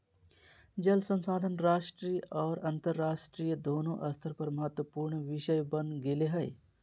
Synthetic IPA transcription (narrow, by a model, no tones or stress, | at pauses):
d͡ʒɐlsɐ̃nsaːd̪ʱənɾaːʃʈɾiːʔɔːɾɐnt̪əɾːaːʃʈɾiːjəd̪oːnõʔɐst̪ʰəɾpɐɾmɐɦət̪wəpuːɾɳʋɪʃəjbɐnɡeleɦɐj